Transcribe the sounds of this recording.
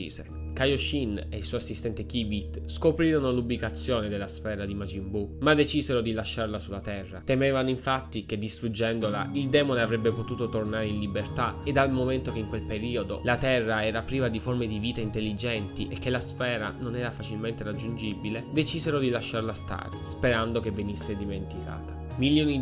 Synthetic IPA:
ḭːsḛ | kajoʃinḛilsujasːist̪ɛnt̪ekibit̪skopɾiːɾonolubːikat̪sːjoːned̪elːasfɛːɾad̪imad͡ʒimbumad̪et͡ʃiːzeɾod̪ilaʃːaɾlasulːat̪ɛrːa̰t̪emɛːvanoiɱfat̪ːiked̪ːist̪ɾud͡ʒɛnd̪olaild̪ɛːmoneavɾɛbːepot̪uːt̪ot̪ornaɾeinlibert̪aed̪almoment̪okeiŋkwelpeɾiːod̪olat̪ɛrːaɛːɾapɾiːvad̪iformed̪iviːt̪aint̪elːid͡ʒɛnt̪iʔek̟ːelːasfɛːɾa̰nonɛːɾafat͡ʃilment̪eɾad͡ʒːund͡ʒibiled̪et͡ʃizeɾod̪ilaʃːaɾlast̪a̰ːɾespeɾand̪okevenisːed̪iment̪ikʰa̰ːt̪ḁ | miljoːni

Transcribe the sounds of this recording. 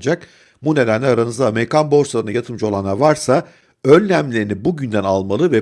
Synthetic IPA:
nd͡ʒak | bune̞d̪ænlʲɛaɾanɯzd̪aːme̞ɾikʰanbo̞ɾslˠaɾɯnajat̪ʰɯmd͡ʒo̞lˠanavaɾsa | ø̞nːʲæmlʲeɾinibuɟynd̪ænalˠmalˠɯvɛ

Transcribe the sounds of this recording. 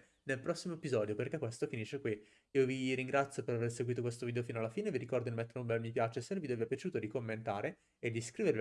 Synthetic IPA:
nelpɾɔsːimoepizɔːd̪joperkekːwest̪ofiniʃːekwi | iːoviɾiŋɡɾat̪sjopeɾaverseɡwit̪okwest̪oviːd̪eofinoalːafiːneviɾikɔrd̪oilmet̪ːeɾumbɛmːipjat͡ʃesɛɾvid̪ɛvepjat͡ʃuːt̪od̪ikomːent̪aːɾeː | d̪iskɾiːveɾvi

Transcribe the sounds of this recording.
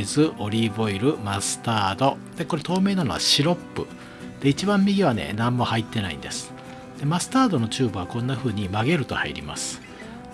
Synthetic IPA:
zɨʔo̞ɾʲibo̞iɾɯ̟masɨ̥t̪aːd̪o̞ | d̪̥e̞ko̞ɾe̞t̪o̞ːme̞ːnano̞̰βa̰ɕiɾo̞pːɯ̰ | d̪̥e̞it͡ɕibãmːʲiɡʲiβ̞anḛnãmːo̞hait̪ːe̞na̰ḭ̃nd̪e̞sɨ̥ | d̪̥e̞masɨ̥t̪aːd̪o̞no̞t͡ɕɨːbɯ̟βakõ̞nːaɸɯ̟ːɲ̟imaɡe̞ɾɯ̟t̪o̞̰haḭɾʲḭma̰sɨ̥

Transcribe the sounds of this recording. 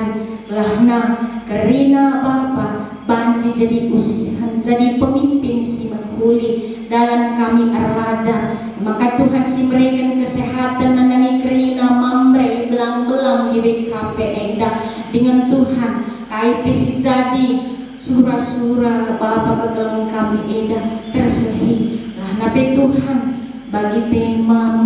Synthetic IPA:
nlahnakəɾinabapa | baɲd͡ʒid͡ʒadiʔusihand͡ʒadipəmimpinsiməkuli | dalamkamiʔa̰rad͡ʒa | makat̪uɦansiməɾikankəsɛɦat̪anːananikəɾinamamɾɛbəlaŋbəlaŋdibɛsampɛʔɛdak̚ | dəŋant̪uɦankaipɛsid͡ʒadi | suɾasuɾakbapakəɡaluŋkamiʔɛdat̪ərsəɦilanapɛt̪uɦan | baɡit̪ɛma

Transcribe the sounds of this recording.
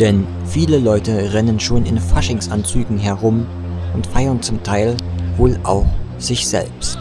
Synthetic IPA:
d̥ɛn | fiːləlɔʏtəʁɛnənʃoːnɪnfaʃɪŋsʔant͡syːɡŋ̩ɦɛɐʁʊm | ʔʊntfaɪɐnt͡sʊmtʰaɪlvoːlʔa̰ʊx | z̥ɪçz̥ɛ̰lpstt

